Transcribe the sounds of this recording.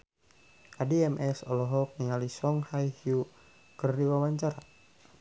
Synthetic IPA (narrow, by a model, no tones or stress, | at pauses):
ʔadiɛmʔɛsɔlɔɦɔk̚niŋalisɔŋhajhiu | kərdiwawaɲt͡ʃaɾa